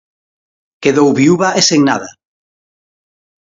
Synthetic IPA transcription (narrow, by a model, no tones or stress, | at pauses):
keðowβiuβaʔeseŋnaða